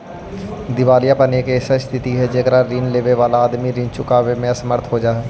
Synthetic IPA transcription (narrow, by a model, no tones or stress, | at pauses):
d̪ɪʋaːlɪjaːpəneːkesəst̪ʰɪt̪iːɦɛːd͡ʒeːkɾaːɾiːnleːʋeːʋaːlaːd̪miːɾiːnt͡ʃʊkaːʋeːmɛ̃səməɾt̪ʰɦoːd͡ʒaːɦɛː